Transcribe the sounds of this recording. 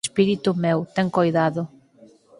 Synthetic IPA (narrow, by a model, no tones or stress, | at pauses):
spiɾit̪umewt̪ɛŋkojðaðʊ